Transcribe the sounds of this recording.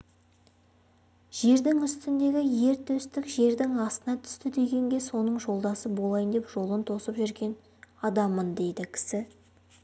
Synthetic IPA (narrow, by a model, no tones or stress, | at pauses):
ʒ̥e̞ɾd̪ɪŋʏst̪ɪnd̪e̞ɡʲɪje̞ɾt̪ʰɵst̪ɪkʒe̞ɾd̪ɪŋɑst̪ənɑt̪ʰʏ̥st̪ɪd̪e̞ɡʲe̞ŋɡʲe̞so̞nəɴʒo̞lˠd̪ɑsəbo̞lˠɑjənd̪e̞pʒ̥o̞lˠənt̪ʰo̞səpʒʏɾɡʲe̞n | ɑd̪ɑmːənd̪e̞jd̪ɪkʲʰɪ̥sɪ